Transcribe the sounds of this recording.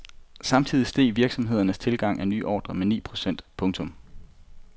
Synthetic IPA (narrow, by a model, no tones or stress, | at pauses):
sɑ̈mt͡sʰið̞̰ˠisd̥e̝̰ːʋiɐɡ̥sɒ̽mɦe̝ð̞̰ˠɐnəst͡sʰe̝lɡ̥ɑ̈ŋ̰ʔæny̰ːʔɒ̰ːd̥ʁɐmenḭːpʰʁo̝sen̰d̥pʰɔ̽ŋt͡sʰɔ̽m